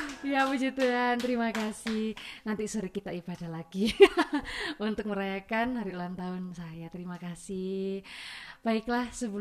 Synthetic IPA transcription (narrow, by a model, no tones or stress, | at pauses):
jawud͡ʒut̪uant̪əɾimakasɪhnant̪isuɾikit̪aʔib̥adalaɡ̥i | unt̪ʊk̚məɾajakanɦaɾiulaŋt̪aʊnsajat̪əɾimakasih | b̥aɪklahsəbul